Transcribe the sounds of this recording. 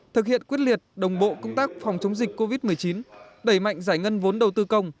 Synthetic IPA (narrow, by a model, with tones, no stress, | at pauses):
t̪ʰɨ˨˩k̚hḭ˧˨ənkwi˦˥ət̚li˨˩ət̚ɗə˨˩wŋ͡mɓo̰˧˨kə˧wŋ͡mt̪aː˦˥k̚fa˨˩wŋ͡mt͡ɕə˨˦wŋ͡mzï˨˩k̟̚ko˧vi˦˥t̚m˨˩əjt͡ɕi˨˦n | ɗə˧˩jma̰˧˨ŋ̟zaː˧˩jŋə˧nvo˨˦nɗə˨˩wt̪ɨ˧kə˧wŋ͡m